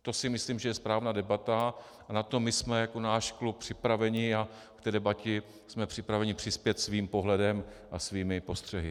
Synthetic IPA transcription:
t̪o̞sɪmɪsliːmʒɛjɛspɾaːvnaːdɛbat̪a | anat̪o̞mɪsmɛjako̞naːʃklup̚pr̝̥ɪpɾavɛɲɪa | kt̪ɛːdɛbacɛ | smɛpr̝̥ɪpɾavɛɲɪpr̥ɪspjɛt̪sviːmpo̞ɦlɛdɛmʔasviːmɪpo̞st̪r̥ɛɦɪ

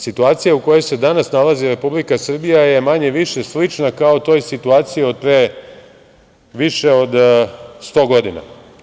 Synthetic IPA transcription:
sit̪uaːt̪sijauko̞jo̞jse̞d̪anasnalaziɾe̞publikasr̩bijaje̞maɲe̞ʋiʃeslit͡ʃnakaot̪o̞ːjsit̪uaːt̪sijio̞d̪̚pɾe | ʋiʃe̞o̞d̪st̪o̞ɡo̞d̪ina̰

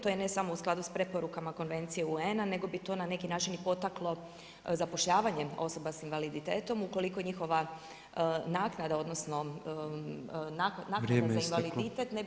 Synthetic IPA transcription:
t̪o̞jene̞samousklˠad̪uspɾe̞po̞ɾukamako̞nʋe̞nt̪sijeuenane̞ɡo̞bit̪o̞nane̞kinaːt͡ʃinipo̞t̪aklˠo̞ | zapo̞ʃʎaːʋaɲe̞o̞so̞basinʋalid̪it̪e̞ːt̪o̞muko̞likoɲixo̞ʋa | naknad̪ao̞d̪nosno̞ | nanaːknad̪azainʋalid̪it̪et̪ne

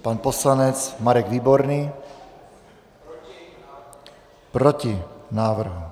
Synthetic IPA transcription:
paːnpɔslaɲɛt͡smaɾɛɡʋiːbɔɾniː | pɾɔcinaːʋr̩ɦu

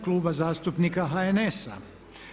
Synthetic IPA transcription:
kluːbazaːst̪upnikaɦaenesa̰

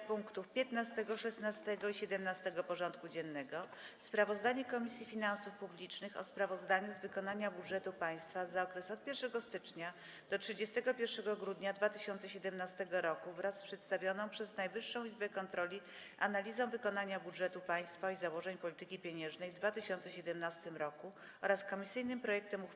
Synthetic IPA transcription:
puŋkt̪ufpʲjɛt̪nast̪ɛɡɔʂɛsnast̪ɛɡɔiɕɛd̪ɛmnast̪ɛɡɔpɔʐɔnt̪kud͡ʑɛnːɛɡɔ | spɾavɔzd̪aɲɛkɔmʲisʲjifʲinãnsufpublʲit͡ʂnɘxɔ̰spɾavɔzd̪aɲuzvɘkɔnaɲabudʐɛt̪upaj̃st̪fazaɔkɾɛsɔt̪̚pʲjɛɾʂɛɡɔst̪ɘt͡ʂɲa | d̪̥ɔtʂɘd͡ʑɛst̪ɛɡɔpʲjɛɾfʂɛɡɔɡɾud̪ɲad̪vat̪ɘɕɔnt̪sɛɕɛd̪ɛmnast̪ɛɡɔɾɔkuvɾaspʂɛt̪st̪avʲjɔnɔ̃w̃pʂɛznajvɘʂːɔ̃w̃izbɛkɔnt̪ɾɔlʲi | analʲizɔ̃w̃vɘkɔnaɲabudʐɛt̪upaj̃st̪faizawɔʐɛɲpɔlʲit̪ɘkʲipʲjeɲɛ̃ʐnɛjvd̪vat̪ɘɕɔnt̪sɛɕɛd̪ɛmnast̪ɘmɾɔku | ɔɾaskɔmʲisɘjnɘmpɾɔjɛk̚t̪ɛmu

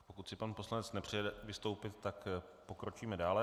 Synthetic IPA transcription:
po̞kut̪sɪpanpo̞slanɛt͡snɛpr̝̥ɛjɛdɛvɪst̪o̞wpɪt̪ːakpo̞kɾo̞t͡ʃiːmɛdaːlɛ

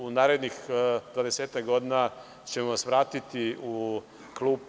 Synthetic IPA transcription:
unaːɾe̞d̪nixd̪ʋad̪eseːt̪akɡo̞d̪ina | t͡ʃemoʋasʋɾaːt̪it̪iu | klˠuːp

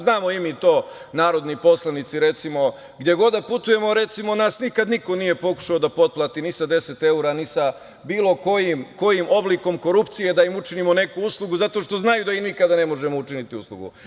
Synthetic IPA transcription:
znaːmoimit̪o̞ː | naːɾo̞d̪nipo̞slˠanit̪siɾe̞t̪simo̞ | ɡd̪je̞ɡo̞d̪aput̪uje̞mo̞ɾe̞t̪simonaːsnikad̪niko̞nije̞po̞ku̥ʃaod̪apo̞t̪̚plˠaːt̪inisad̪e̞se̞t̪e̞uɾanisa | biːlˠo̞ko̞jimko̞jimo̞blˠiko̞mko̞ɾupt̪sije̞d̪aimut͡ʃinimo̞ne̞kuuslˠuɡuzat̪o̞ːʃt̪o̞znajud̪aimikad̪ane̞mo̞ʒemout͡ʃinit̪iuslˠṵɡṵ

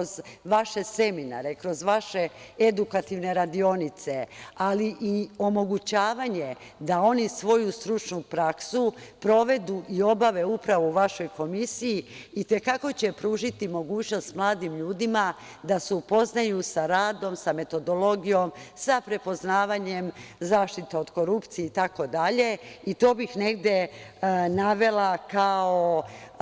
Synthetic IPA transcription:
zʋaʃe̞se̞mina̰ɾe̞kɾo̞zʋaʃeed̪ukat̪iʋne̞ɾad̪io̞nit̪se̞aliʔio̞mo̞ɡut͡ɕaːʋaɲe̞ | d̪ao̞nisʋo̞just̪ɾut͡ʃnupɾaksupɾo̞ʋe̞d̪uʔio̞baʋe̞upɾaʋouʋaʃo̞jko̞misijiit̪e̞kako̞t͡ɕe̞pɾuːʒit̪imo̞ɡuːt͡ɕno̞st̪mlˠaːd̪imʎuːd̪ima | d̪aseupo̞znajusaɾaːd̪o̞msame̞t̪o̞d̪o̞lˠo̞ɡijo̞msapɾe̞po̞znaːʋaɲe̞mzaːʃt̪it̪eo̞d̪ko̞ɾupt̪sijeit̪ako̞d̪aʎe̞it̪o̞ːbixne̞ɡd̪je̞ | naʋe̞lakao

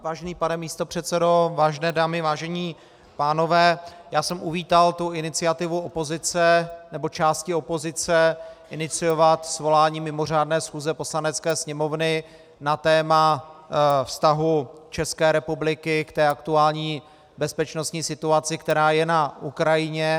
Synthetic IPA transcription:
vaːʒɛniːpanɛmiːst̪o̞pr̝̥ɛt̪t͡sɛdo̞vaːʒɛnɛːdaːmɪvaːʒɛɲiː | paːno̞vɛːjaːsɛmʔuviːt̪alt̪uɪnɪt͡sɪat̪ɪvuopo̞zɪt͡sɛnɛbo̞t͡ʃaːscɪo̞po̞zɪt͡sɛʔɪnɪt͡sɪjo̞vat̪svo̞laːɲiːmɪmo̞r̝aːdnɛːsxuːzɛpo̞slanɛt͡skɛːsɲɛmo̞vnɪ | nat̪ɛːma | fst̪aɦut͡ʃɛskɛːɾɛpublɪkɪkt̪ɛːakt̪uaːlɲiː | bɛspɛt͡ʃnost̪ɲiːsɪt̪uat͡sɪkt̪ɛɾaːjɛnaukɾajɪɲɛ

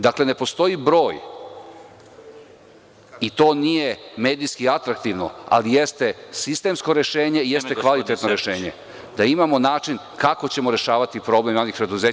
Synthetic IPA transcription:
d̪akle̞ne̞po̞st̪o̞ibɾo̞ːj | it̪o̞ːnijeme̞ːd̪ijskiat̪ɾakt̪iʋno̞̰a̰lijest̪e̞sist̪e̞msko̞ɾe̞ʃe̞ːɲe̞ijest̪ekʋalit̪e̞t̪noɾe̞ʃe̞ːɲe̞̰ | d̪aimamo̞naːt͡ʂin | kako̞t͡ɕe̞mo̞ɾe̞ʃaːʋat̪ipɾo̞ble̞manixpɾe̞d̪uze

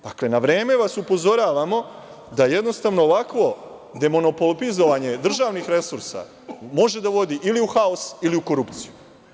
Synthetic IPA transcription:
d̪̥akle̞naʋɾe̞ːme̞ʋasupo̞zo̞ɾaːʋamo̞ | d̪aje̞d̪no̞st̪aʋnoːʋakʋo̞ | d̪e̞mo̞nopolpizo̞ʋaɲe̞d̪r̩ʒaːʋnixɾe̞suɾsa̰ | mo̞ʒe̞d̪aʋo̞d̪iʔiliuxaosiliuko̞ɾupt̪siju

